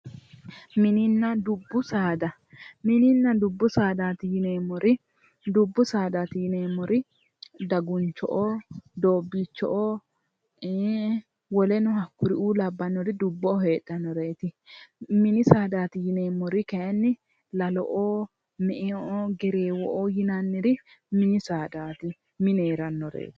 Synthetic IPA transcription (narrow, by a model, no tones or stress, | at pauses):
mɪnɪnːɐd̪ʊbːʊsaːd̪ɐ | mɪnɪnːɐd̪ʊbːʊsaːd̪aːt̪ɪjɪneːmɔɾʔɪ | d̪ʊbːʊsaːd̪aːt̪ɪjɪneːmːɔɾɪ | d̪ɐɡʊnt͡ʃːɔ̰ʔoːd̪oːbːiːt͡ʃːɔ̰ʔoː | wɔlɛnʊhɐkːʊɾɪʔuːlɐbːɐnːɔɾɪd̪ʊbːɔɦeːɗːɐnːɔɾeːt̪ɪmɪnɪsaːd̪aːt̪ɪjɪneːmɔɾɪkɛjɐnːɪ | lɐlɔ̰ʔoː | mɛʔeoːɡɛɾeːwɔʔoːjɪnɐnːɪɾɪ | mɪnɪsaːd̪aːt̪ɪ | mɪneːɾɐnːɔɾḛːt̪ɪ̥